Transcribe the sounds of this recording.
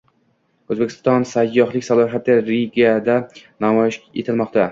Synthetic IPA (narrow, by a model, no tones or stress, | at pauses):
ɵzbekʲʰɪ̥st̪ɒnsajːɒhlˠɪkʲsalˠɒɦat̪ʰɪɾeɡʲad̪anamɒjɪʃʲet̪ʰɪlmɒqt̪ʰa